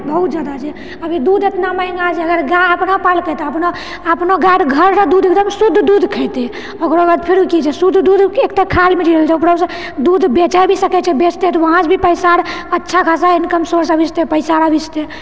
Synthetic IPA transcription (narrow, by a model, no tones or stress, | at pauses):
bəɦut̪̚d͡ʒad̪at͡ʃʰɛ | əbʱid̪ud̪et̪naməɪŋɡad͡ʒʰɛəɡəɾɡaəpnapalkɛt̪eəpno | əpnoɡaʈɡʱəɾsəd̪ud̪ekt̪d̪əmsud̪ʱːd̪ud̪ʱkʰət̪e | okɾoɡad̪pʰeɾukit͡ʃʰɛsud̪ʱd̪ud̪ekt̪akʰalmed͡ʒiɾəlt͡ʃʰɛupɾəs | d̪ud̪ʱbet͡ʃabʱisəkɛt͡ʃʰɛbet͡ʃʰt̪et̪ɔʋəɦãt͡ʃbʱipəjsaɾətːʃʰakʰasainkəmsoɾsəbʱit͡ʃʰt̪epəɪsaɾabʱit͡ʃt̪e